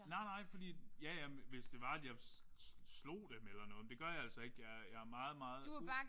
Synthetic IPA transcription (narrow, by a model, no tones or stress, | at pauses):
nɑ̈ɪnɑ̈ɪ̰fɒd̥ḭːjæjæʋe̝sd̥e̝ʋɑ̈æd̥jɑ̈ɪ | slo̝̰ːd̥emelɐnɔ̽ːd̥e̝ɡ̥ɶɐjɑ̈ælsɒ̽e̝ɡ̥jɑjɑ̈æɐmɑ̈ːð̞̩ˠmɑ̈ːð̩ˠd̥uæb̥ɑ̈ː